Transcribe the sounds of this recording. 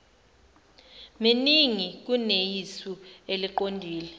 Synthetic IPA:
miniŋik̬unejisueliǃondʱiːlɛ

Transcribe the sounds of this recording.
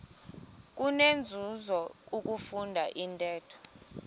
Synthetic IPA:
k̬ʼunend͡zʱuzɔuk̬ʼufundʱaʔintʼɛːtʰɔ̥

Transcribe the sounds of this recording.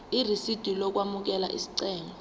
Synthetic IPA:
irisid̥ʱilɔk̬wamuk̬ɛlaʔḭsi̥ǀɛːŋɔ

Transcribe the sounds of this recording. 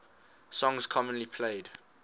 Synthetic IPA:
sɔ̃ŋzkʰɔmə̃nlipʰleɪd

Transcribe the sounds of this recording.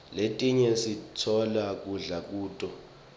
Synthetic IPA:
letʼiɲɛsitʰɔlak̬ʼuɮak̬ʼuːtʼɔ

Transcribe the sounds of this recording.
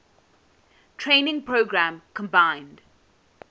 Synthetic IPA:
tʰɹẽɪnɪ̃ŋpʰɹoːɡɹæ̃mkʰə̃mbãɪ̃nd̥

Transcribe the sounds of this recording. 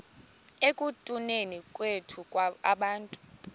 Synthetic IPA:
ekʼutʼunenikʼwetʰukʼwaaɓaːntʼu̥

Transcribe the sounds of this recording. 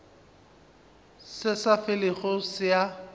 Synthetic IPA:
sɪsafɪlɪχʊsja

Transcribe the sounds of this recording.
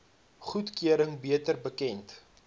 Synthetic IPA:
χutkyəɾəŋbiətərbəkɛnt

